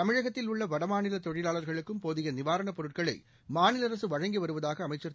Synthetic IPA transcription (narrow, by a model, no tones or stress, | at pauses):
t̪ɐmɪɻɐɣɐt̪ːɪlʊɭːɐʋɐɽɐmaːnɪlɐt̪ɔɻɪlaːɭɐɾɣɐɭɯkːɯmpoːðɪɣɐnɪʋaːɾɐɳɐpɔɾɯʈ̚kɐɭɐɪ | maːnɪlɐɾɐsɯʋɐɻɐŋɡiʋɐɾɯʋɐðaːɣɐːmɐɪt͡ʃːɐɾ